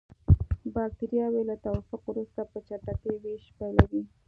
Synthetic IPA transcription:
bɑk̚t̪eɾjɑwelat̪awɑfʊqwɾust̪apət͡ʃaʈat̪eweʃpajlawi

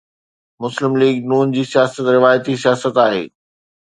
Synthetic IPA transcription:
mʊslɪmliːɡnuːnd͡ʑiːsijaːsət̪ɾɪʋaːjət̪isijaːsət̪aːɦḛː

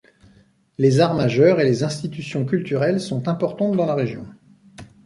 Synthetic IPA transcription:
lezaʁmaʒœʁelezɛ̃st̪it̪ysjɔ̃kʲylt̪yʁɛlsɔ̃t̪ɛ̃pɔʁt̪ɑ̃t̪d̪ɑ̃laʁeʒjɔ̃

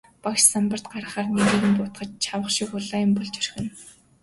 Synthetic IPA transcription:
pakʃsampə̆r̥t̪̚ɢaɾə̆χaːrneɣiːɣɘ̆mpʊt̪χə̆t͡ɕt͡ɕʰawə̆χʃikʊɮaːjʊ̆mpɔɮt͡ɕœrxʲɘ̆n

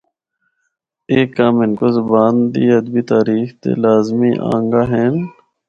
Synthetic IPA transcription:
eːkːaːmɪnkozʊbaːnd̪iːəd̪̚bit̪aːɾiːxt̪ḛːlaːzmiːʔã̰ːŋɡaːɦeːn

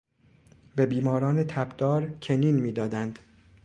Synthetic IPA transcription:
be̞biːmɒːɾɒːnet̪ʰæbd̪̥ɒːɾcʰeniːnmiːd̪ɒːd̪ænd̪

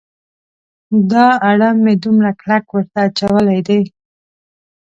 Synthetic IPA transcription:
d̪ɑaɽamːed̪umɾaklakwəɾt̪aːt͡ʃawəlajd̪ej

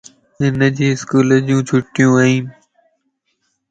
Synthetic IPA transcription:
ɪnəd͡ʑiːɪskuːləd͡ʑjũːt͡ʃʰʊʈɪjũːaɦĩː

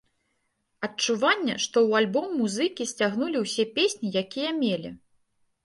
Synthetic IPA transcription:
ɐt͡ʂuvanʲːɐ̰ʂt̪ɔwalʲbɔmːuzɨkʲisʲt͡sʲaɣnulʲiwsʲɛpʲesʲnʲijakʲijɐmʲelʲḭ

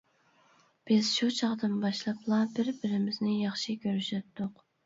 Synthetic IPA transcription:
b̥ɪz̥ʃut͡ʃʰɑʁd̪ɨnbɑʃlˠɑpʰlˠɑbɪɾbɪɾɪmɪznɪjɑχʃikʲʰøɾyʃɛp̚t̪ʰːʊq

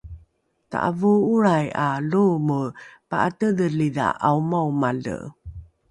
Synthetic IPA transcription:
ta̰ʔa̰vuuɾajaluməpaʔatədəlida̰ʔaumawmalə̰

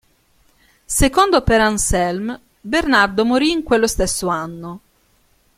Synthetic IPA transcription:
sekond̪opeɾansɛlm | bernard̪omoɾiːŋkwelːost̪esːoanːo

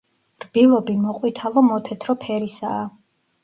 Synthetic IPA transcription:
rbilˠɔbimɔqʼwit̪ʰalˠɔmɔt̪ʰɛt̪ʰɾɔpʰɛɾisaː

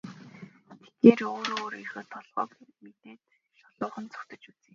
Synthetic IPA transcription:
t̪ʰe̥t̪eːroːɾoːɾirxə̆ːt̪ʰːɔɮʁɔ̰ːkmet̪eːt̪ | ʃɔɮʊːχə̆nt͡sʰʊ̥kt̪ə̆t͡ɕut͡siː

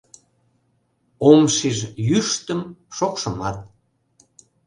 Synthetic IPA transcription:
omʃiʒjyʃt̪əmʃokʃəmɑt̪̚

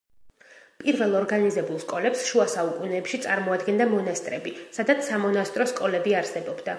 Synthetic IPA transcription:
pʼiɾvɛlˠɔɾɡanizɛbulˠskʼɔlɛpsʃuasaukʼunɛːpʃit̪sʼaɾmɔad̪ɡɛnd̪amɔnast̪ʼɾɛbisad̪at̪ssamɔnast̪ʼɾɔskʼɔlɛbiaɾsɛbɔbd̪a

